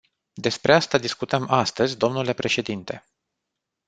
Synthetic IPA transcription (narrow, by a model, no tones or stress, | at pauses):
d̪e̞spɾʔeast̪ad̪iskut̪əmast̪əzʲd̪o̞mnule̞pɾe̞ʃe̞d̪int̪e̞̰